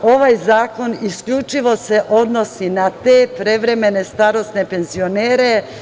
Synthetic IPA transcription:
o̞ʋajzaːko̞niskʎut͡ʃiʋo̞se̞ʔo̞d̪no̞sinat̪eːpɾe̞ʋɾe̞me̞ne̞st̪aɾo̞sne̞pe̞nzio̞neːɾe̞

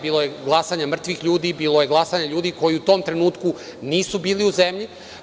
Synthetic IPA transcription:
biːlˠojeɡlˠasaɲamr̩t̪ʋixʎuːd̪ibiːlˠojeɡlˠasaɲaʎuːd̪iko̞jiut̪o̞ːmt̪ɾe̞nuːt̪ku | niːsubiːliuzemʎi

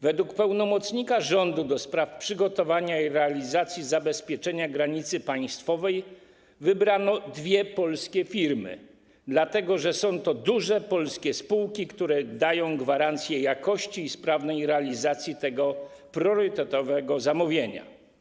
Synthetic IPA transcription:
vɛd̪wukpɛwnɔmɔt̪sɲikaʐɔnd̪ud̪ɔspɾafpʂɘɡɔt̪ɔvaɲaiɾɛalʲizat̪sʲjizabɛspʲjɛt͡ʂɛɲaɡɾaɲit̪sɘpaj̃st̪fɔvɛj | vɘbɾanɔd̪vʲjɛpɔlskʲɛfʲiɾmɘ̰ | d̪lat̪ɛɡɔʐɛsɔ̃w̃t̪ɔd̪uʐɛpɔlskʲɛspuwkʲikt̪uɾɛd̪ajɔ̃w̃ɡvaɾant̪sʲjɛjakɔɕt͡ɕiːspɾavnɛjɾɛalʲizat̪sʲjit̪ɛɡɔ | pɾʲjɔɾɘt̪ɛt̪ɔvɛɡɔzamuvʲjeɲa̰

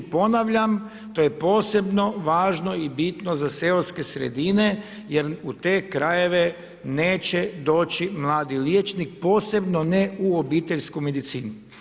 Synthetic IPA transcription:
po̞naʋʎam | t̪ojepo̞ːse̞bno̞ʋaːʒno̞ibit̪nozaseoɾske̞sɾḛd̪ine | jeɾut̪e̞ːkɾaje̞ʋe̞ | neːt͡ʃed̪o̞ːt͡ʃimlˠaːd̪iljet͡ʃnik̚po̞ːse̞bnoneuobiːt̪eʎʲskume̞d̪it̪siːnu

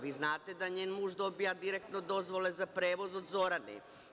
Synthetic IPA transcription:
ʋiznaːt̪ed̪aɲeːnmuːʒd̪o̞bijad̪iɾek̚t̪nod̪o̞zʋo̞lezapɾeːʋozod̪zo̞ɾanḛ

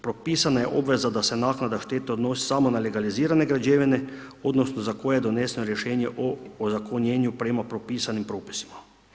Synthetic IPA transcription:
pɾopiːsanajɛʔobʋezad̪asɛnaːknad̪aʃt̪eːt̪eod̪noːsi̥samonaleɡaliziːɾaneɡɾad͡ʒeːʋineod̪nosnozakojɛd̪oneːsnoɾjɛʃɛːnjɛʔoozakonjeːnjupɾɛmapɾopiːsanimpɾoːpi̥si̥ma

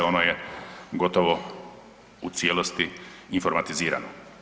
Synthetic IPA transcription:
o̞nojeɡo̞t̪oʋo | ut̪sjeːlost̪iinfo̞ɾmat̪iziːɾa̰no

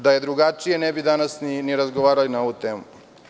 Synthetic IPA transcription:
d̪ɐjɐd̪ɾuɡaːt͡ʃijɐnebid̪aːnɐsniniɾɐzɡɔʋaːɾɐinɐut̪em

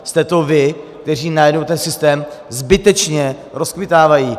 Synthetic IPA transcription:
st̪ɛt̪ovɪkt̪ɛr̝iːnajɛdnowt̪ɛnsɪst̪ɛːmzbɪt̪ɛt͡ʃɲɛ | ɾoskvɪt̪aːvajiː

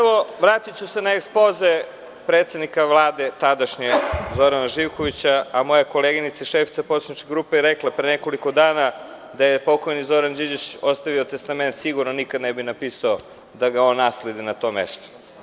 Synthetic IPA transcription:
pʋoʋɾaːt̪it͡ɕusenaekspoze | pɾet̪sed̪nikaʋlˠaːd̪et̪ad̪aʃɲezo̞ɾanaʒiwkoʋit͡ɕaamo̞jako̞leːɡinit̪saiʃefit̪sapot̪aɲit͡ʃkeɡɾuːpejɾeklˠapɾeneko̞liko̞d̪aːna | d̪ajepo̞ko̞jnizo̞ɾand͡ʑid͡ʑit͡ɕost̪aʋio̞t̪est̪ament̪siɡuɾnonikad̪nebinapiːsao | d̪aɡao̞nːaːsled̪inat̪o̞ːmḛst̪o̥

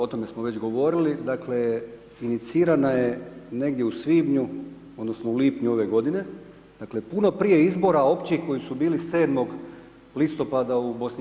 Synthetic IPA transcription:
o̞t̪o̞me̞smoʋe̞t͡ɕɡo̞ʋo̞ɾilid̪akle̞ | init̪siːɾanaje̞ne̞ɡd̪je̞usʋiːbɲu | o̞d̪no̞sno̞uliːpɲuo̞ʋe̞ɡo̞d̪ine̞ | d̪̥akle̞puno̞pɾije̞izbo̞ɾao̞pt͡ɕixko̞jisubiːlise̞ːd̪mo̞ɡ | list̪o̞pad̪aubo̞sni

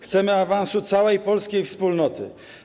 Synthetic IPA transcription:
xt̪sɛmɘavansut̪sawɛjpɔlskʲejfspulnɔt̪ɘ̰

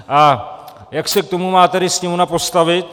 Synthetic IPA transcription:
a | jɐksek̚t̪umumaːt̪ɐɾisniʋunapɔst̪aʋet̪̚

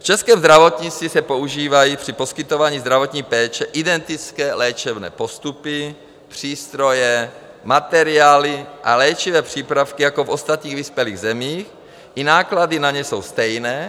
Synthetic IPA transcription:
ft͡ʃɛskɛːmzd̪ɾavo̞t̪ɲit͡s̪isɛpo̞uʒiːvajipr̝̥ipo̞skɪt̪ovaːɲiːzd̪ɾavo̞t̪ɲiːpɛːt͡ʃɛʔɪdɛnt̪ɪt͡skɛːlɛːt͡ʃɛbnɛ̰ːpo̞st̪upɪ | pr̝̥iːst̪ɾo̞jɛ | mat̪ɛɾɪaːlɪʔalɛːt͡ʃivɛːpr̝̥iːpɾafkijako̞fʔo̞st̪at̪ɲiːɣvispjɛliːɣzɛmiːx | ʔɪnaːkladɪnaɲɛso̞wst̪ɛjnɛː

